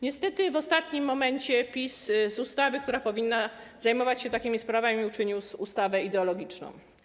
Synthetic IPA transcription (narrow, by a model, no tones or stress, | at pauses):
ɲɛst̪ɛt̪ɘvɔst̪at̪ɲimːɔmɛɲt͡ɕɛpʲiszust̪avɘk̚t̪uɾapɔvʲinːa | zajmɔvat͡ɕɕɛt̪akʲimʲispɾavamʲiut͡ʂɘɲiwsust̪avɛid̪ɛɔlɔɡʲit͡ʂnɔ̰̃w̃